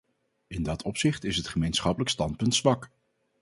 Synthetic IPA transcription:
ɪndɑtʰɔpsɪχtɪsɦətχəmejnsχɑpələkstɑnt̚pɵntsʋɑk

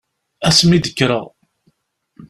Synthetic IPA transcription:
æsmid̪əkːɾəʁ

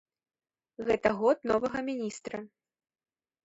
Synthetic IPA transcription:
ɣɛt̪ɐɣɔt̪̚nɔvɐɣɐmʲinʲist̪ɾɐ

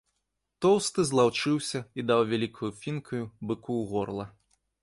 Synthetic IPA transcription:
t̪ɔwst̪ɨzlˠawt͡ʂɨwsʲɐid̪awvʲalʲikʰujufʲinkʰujubɨkuɣɔrlˠɐ

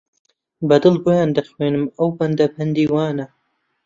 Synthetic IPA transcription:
bɐd̪ɨlboːjaːnd̪ɐxweːnɨmɐwbɐnd̪ɐbʰɐnd̪iːwaːnɐ

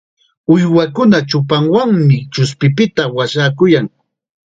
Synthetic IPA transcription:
ʊjwakʊnat͡ʃʊpaŋwaŋmɪt͡ʃʊspɪpɪt̪awaʃaːkʊjaŋ

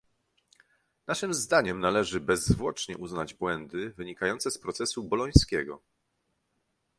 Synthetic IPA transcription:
naʂɘmzd̪aɲɛmnalɛʐɘbɛzvwɔt͡ʂɲɛʔuznad͡ʑbwɛnd̪ɘvɘɲikajɔnt̪sɛspɾɔt̪sɛsubɔlɔj̃skʲɛɡɔ̰

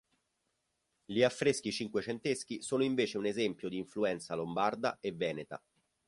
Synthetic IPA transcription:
ʎiafːɾesk̟it͡ʃiŋkwet͡ʃent̪esk̟isoːnoiɱveːt͡ʃeunezɛmpjod̪iːɱfluɛnt̪salombard̪aevːɛːnet̪a̰

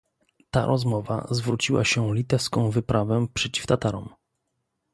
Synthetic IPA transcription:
t̪a̰ɾʔɔzmɔva̰zvɾut͡ɕiwa̰ɕɛlʲit̪ɛfskɔ̃w̃vɘpɾʔavɛpʂɛt͡ɕi̥ft̪at̪aɾɔ̰m

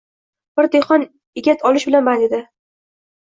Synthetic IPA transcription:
b̥ɪɾd̪eχɒn | ɪɡʲat̪ʰɒlɪʃbɪlanbaned̪ɪ

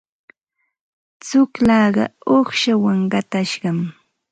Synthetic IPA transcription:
t͡sʊklɑːɢɑ̰oχʃawaŋɢɑt̪aʃɢɑm

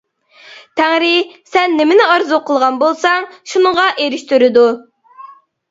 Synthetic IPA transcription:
t̪ʰæŋɾɪsɛnːɪmɪnɪɑɾzuqʰəlˠʁɑnbolˠsɑŋʃunəŋʁɑʔeɾɪʃt̪yɾɪd̪u

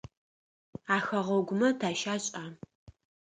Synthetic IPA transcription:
aːxɐʁɔɡʷʊmɐtʰaːʃaːɕʼaː

